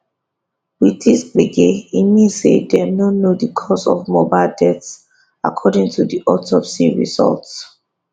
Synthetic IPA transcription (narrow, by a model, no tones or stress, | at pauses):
wiθisbeɡeimisedɛnonodəkʰɔsɔ̰vmobaɪldɛts | a̰kʰɔdĩŋtʰudiʔɔtʰɔpsiɹḭzɔ̰lts